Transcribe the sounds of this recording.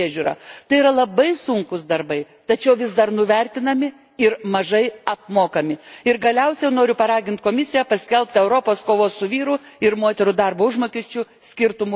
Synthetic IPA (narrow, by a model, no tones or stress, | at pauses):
iɛʒʲuːɾɐ̰ːt̪ɐɪiːɾɐlˠɐbɐɪsʊŋkʊsd̪ɐɾbɐɪ | t̪ɐt͡ʃʲɛʊʋʲɪsd̪ɐɾnʊʋʲɛɾʲt̪ʲɪnɐmʲɪ | ɪɾmɐʒɐɪɐpmoːkɐmʲɪɪɾɡɐlʲɛʊsʲɛjʊnoːɾʲʊpɐɾɑːɡʲɪnt̪̚koːmʲɪsʲɪjæpɐsʲkʲɛlʲˠp̚ʲt̪ɛʊɾoːpoːskoːʋoːssʊʋʲiːɾʊɪɾmoːt̪ʲɛɾʊd̪ɑɾboːʊʒmoːkʲɪʃʲt͡ʃʲʊ | sʲkʲɪɾt̪ʊmʊ